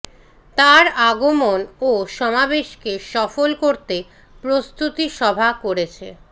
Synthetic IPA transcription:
t̪aɾaɡomonoʃɔmabeʃkeʃɔfolkoɾt̪e | pɾost̪ut̪iʃɔbʱakoɾet͡ɕʰḛ

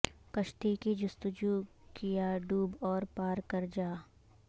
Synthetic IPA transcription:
kɐʃt̪ikid͡ʒʊst̪ʊd͡ʒu | kijaɖuːbɔːɾpaːɾkɐɾd͡ʒaː

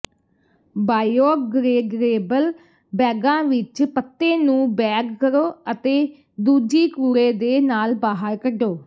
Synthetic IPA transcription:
baːjoːɡɾeːɡɾeːbəl | bɛːɡãːʋɪt͡ʃpət̪ːeːnũːbɛːɡkəɾoːət̪eː | d̪uːd͡ʒiːkuːɾeːd̪eːnaːlbaːɦəɾkəɖoː

